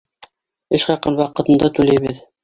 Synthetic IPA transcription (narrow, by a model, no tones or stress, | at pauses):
ɘʃqɑqɤnwɑqɤ̆t̪ɤ̆nd̪ɑt̪ʉlæjβɘð